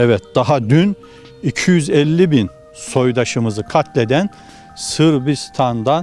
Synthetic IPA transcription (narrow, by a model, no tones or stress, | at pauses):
ɛvɛt̪̚d̪̥aɦad̪yn | icʰijyzɛlʲːibin | so̞jd̪aʃɯmɯzɯkʰat̪ʰlʲed̪æn | sɯɾbist̪ʰand̪a